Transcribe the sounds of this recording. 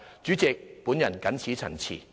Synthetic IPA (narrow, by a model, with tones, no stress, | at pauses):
t͡ʃyː˨˥t͡sɛ˨k̚pu˨˥njɐ˨˩nkɐ˨˥nt͡sʰiː˨˥t͡sʰɐ̰˨˩nt͡sʰḭː˨˩